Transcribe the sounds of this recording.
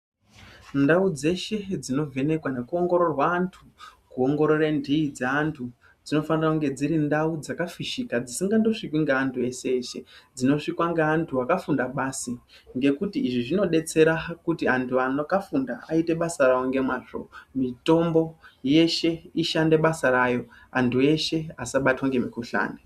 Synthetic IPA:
ndaud͡ze̞ʃe̞d͡zino̞ve̞ne̞kwane̞kuoŋɡo̞ɾo̞rwaːntʰukuo̞ŋɡo̞ɾo̞rendiːd͡zaantʰu | d͡zino̞fanirakuŋɡe̞d͡ziɾindaud͡zakafiʃikad͡zisiŋɡando̞ʂikwiŋɡeantʰue̞seːʃe̞d͡zino̞ʂikwaŋɡeːntʰuakafundaɓasi | ŋɡe̞kutiːʐiʐino̞ɗe̞t͡se̞ɾakutiantʰuanokafundaaite̞ɓasaraoŋɡe̞mwaːʐo̰mito̞mbo̞je̞ʃe̞iʃande̞ɓasaɾajo̞ | antʰue̞ʃe̞asaɓatwaŋɡe̞mikuɬa̰ːne

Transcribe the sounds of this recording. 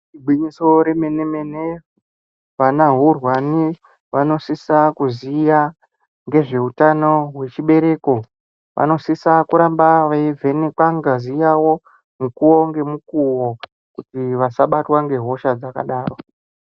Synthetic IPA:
ibʱwiɲiso̞ɾe̞me̞neme̞ne | ʋanaɦurwani | ʋano̞sisakuzija | ŋɡe̞ʐe̞utano̞ɦwe̞t͡ʃiɓe̞ɾe̞ko̞ | ʋʔa̰no̞sisakuɾambaʋaivʱe̞nekwaŋɡazijawo̞ | mukuwo̞ŋɡe̞mukuwo | kutiʋasaɓatwaŋɡe̞ɦo̞ʃad͡zaka̰ɗaːro̞

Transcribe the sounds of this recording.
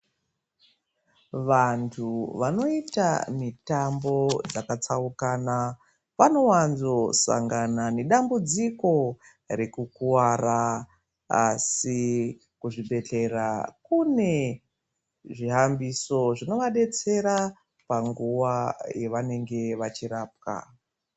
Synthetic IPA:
ʋantʰuʋano̞ita̰mitambo̞d͡zakat͡saukaːna | ʋano̞wanzo̞sa̰ŋɡanane̞ɗambud͡ziko̞ | ɾe̞kukuwara | a̰si | kuʐiɓe̞ɬe̞ɾakune̞ | ʐiɦambiso̞ʐino̞ʋaɗe̞t͡se̞ɾa | paŋɡuʋajeʋane̞ŋɡe̞ʋat͡ʃiɾaːp̚ka̰

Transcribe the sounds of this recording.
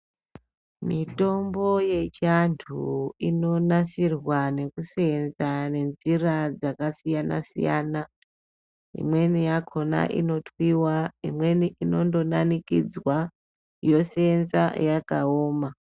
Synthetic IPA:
mito̞mbo̞je̞t͡ʃantʰuino̞nasirwane̞kusenzane̞nzirad͡zakasijana̰sḭja̰ːna | ḭmwe̞nijakʰo̞na̰ʔḭno̞tʰwiwaimwe̞niino̞ndo̞nanikid͡zwa | jo̞senza̰jakaoːma

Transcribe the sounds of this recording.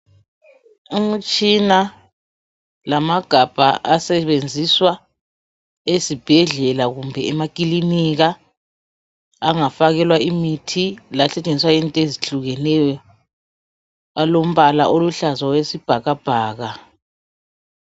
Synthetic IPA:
um̩t͡ʃʼina | lamaɡ̥ʱab̥ʱa̰ʔasɛβend͡zʱiswa | esib̥ʱɛɮɛlaɣumbʱɛɛmakʼiliniɣa | ŋafaɣɛlwaimitʰilasɛt͡ʃʼend͡zʱiswaintʼeziɬuɣɛnɛjɔ | alom̩βala̰ʔoluɬazwawesib̥ʱaɣab̥ʱaːɣa

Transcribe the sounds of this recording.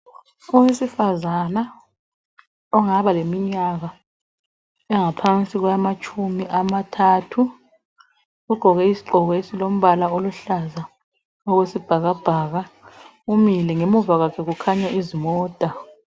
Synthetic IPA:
uwesifazana | ɔŋaβalemiɲaɣa | ɛŋapʰant͡sʼiɣwamat͡ʃʼumiʔamatʰaːtʰu | ɣuɡ͡ǃʱɔɣɛisi̥ɡ͡ǃʱɔɣɔesilom̩βalaoluɬaza | ɔɣwesib̥ʱaɣab̥ʱaːɣa | umilɛŋemuvaɣakʰɛɣukʰaɲaizimɔːtʼa

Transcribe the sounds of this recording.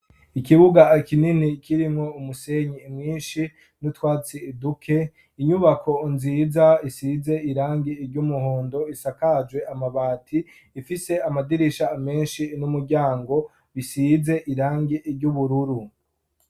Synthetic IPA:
ikiβuɡakininikiɾimŋo̞umuseɲimŋiːnʃi | nutwaːt͡siidukʰe̞ | iɲuβakʰonzizaisize̞iɾaːŋɡiiɾɟumuhoːndo̞isakad͡ʒwe̞amaβaːtʰiː | fise̞amadiɾiʃaːme̞ːnʃinumuɾɟaːŋɡo̞ | βisize̞ʔiɾaːŋɡiʔiɾɟuβuɾuɾu

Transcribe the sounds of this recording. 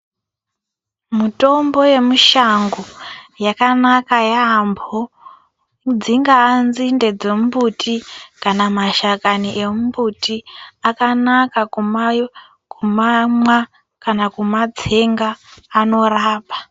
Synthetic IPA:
muto̞mbo̞je̞muʃaŋɡojakanakajaːmbʱo | d͡ziŋɡaːnzinde̞d͡zembutʰikanamaʃakaniʔe̞mbutiakanakakum | kumamwa | kanakumad͡ze̞ŋɡaːno̞raːpa

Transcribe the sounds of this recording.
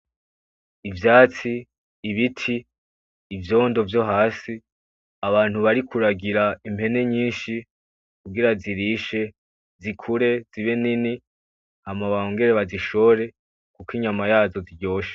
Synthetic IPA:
ivjaːt͡siː | βitʰiː | vjo̞ːndo̞vjo̞ɦaːsi | aβaːn̥huβaɾikʰuɾaɡiɾaim̥he̞ne̞ɲiːnʃi | kuɡiɾaziɾiʃe̞ | zikʰuɾe̞ziβe̞nini | hamaβaoŋɡe̞ɾeβaziʃo̞ɾe̞ | kukiɲamajaːzo̞ziɾɟo̞ːʃe̥

